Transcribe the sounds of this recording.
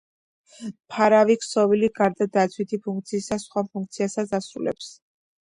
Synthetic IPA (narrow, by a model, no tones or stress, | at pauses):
pʰaɾaviksɔviliɡaɾd̪ad̪at̪sʰwit̪ʰipʰuŋk̚t̪sʰiːsasχwapʰuŋk̚ʰt̪sʰiasasasulɛ̰ps